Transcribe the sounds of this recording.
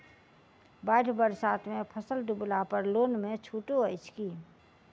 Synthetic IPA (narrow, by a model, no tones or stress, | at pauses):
baːɪʈʰbəɾsaːt̪ʰmẽpʰəsəlɖʊblapəɾloːnmẽt͡ʃʰuːʈoəɪt͡ʃʰkiː